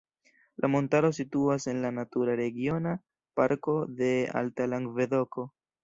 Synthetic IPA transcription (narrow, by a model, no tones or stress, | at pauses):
lʔamo̞ntaɾo̞s̬ituase̞nlanatuɾaɾe̞ɡjo̞na | paɾko̞de̞a̰ltalaŋɡve̞do̞ko̞